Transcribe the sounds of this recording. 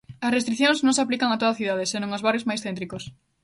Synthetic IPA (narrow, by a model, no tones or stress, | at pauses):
ɐsrest̪ɾikθjõŋznõŋsaplikaŋat̪oðaθiðað̞esenõŋozβarjozmajsθent̪̬ɾikos